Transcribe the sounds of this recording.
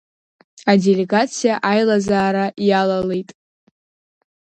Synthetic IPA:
adele̞ɡat͡sʰijaʔajlazaːɾajalalejtʼ

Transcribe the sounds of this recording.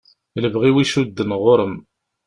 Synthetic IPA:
ləvʁiwiʃud̪ːənʁʊɾəm

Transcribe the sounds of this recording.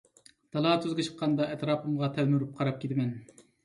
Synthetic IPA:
d̪̥ɑlˠɑːt̪ʰøzɡʲɪt͡ʃʰə̥q̚qʰːɑnd̪ɑʔɛt̪ɾɑːpʰɨmʁɑt̪ʰɛlmyɾyp̚qʰɑɾɑp̚kʲʰed̪ɪmɛn

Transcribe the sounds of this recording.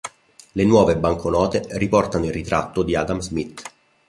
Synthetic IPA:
lenwɔːvebaŋkʰonɔːt̪eripɔrt̪anoilrːit̪ɾa̰t̪ːod̪iad̪amzmit̪ː

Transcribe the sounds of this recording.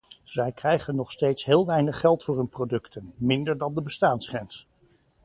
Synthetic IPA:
z̥ɛjkrɛjχənːɔχstejtsɦɪːlˠʋɛjnəχːɛlˠtfʊːɹɦɵnprodɵktʰənmɪndəɹdɑndəbəstaːnsχrɛns

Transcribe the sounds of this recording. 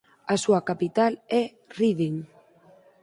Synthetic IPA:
asuakapit̪alɛ | riðiŋ

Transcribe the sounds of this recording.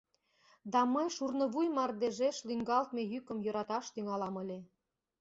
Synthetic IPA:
d̪ɑməjʃurnɤ̆βujmɑrd̪eʒeʃlyŋɡɑlt̪mejykə̆mjoɾɑt̪ɑʃt̪yŋɑlɑmə̆lʲe

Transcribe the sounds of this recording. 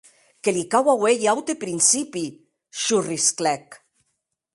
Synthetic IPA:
kelikawawejawt̪epɾinsipi | ʃurisklɛk

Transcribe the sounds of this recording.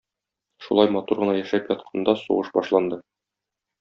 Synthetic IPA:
ʃulˠɑjmɒt̪uɾʁɤ̆nɑjæʃæpjɒt̪̚qʰɑnd̪ɑsṵʁɤʃbɒʃlˠɑnd̪ɤ

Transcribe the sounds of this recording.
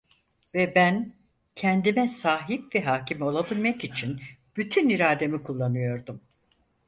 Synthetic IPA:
vɛbæn | cʰɛnd̪imɛsaːɦip̚vɛɦaːcʰimo̞lˠabilʲmakit͡ʃʰinb̥yt̪ʰyniɾaːd̪e̞mikʰulˠːanɯjo̞ɾd̪um

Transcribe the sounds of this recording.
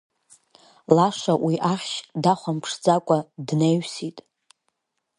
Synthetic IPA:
laʂʷawiʔaχʲʃdaχʷampʰʂd͡zakʷʼadnejɥsitʼ

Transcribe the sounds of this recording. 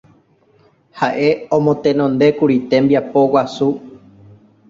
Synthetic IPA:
haʔe̞õmõ̞t̪ẽnõnd̪e̞kuɾit̪e̞mbiapo̞wasu

